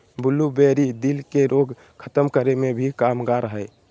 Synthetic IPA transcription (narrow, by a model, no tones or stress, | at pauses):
bulːubeɾid̪ilkeɾoɡ | kʰət̪əmkəɾemebʱikamɡaɾəɦəɪ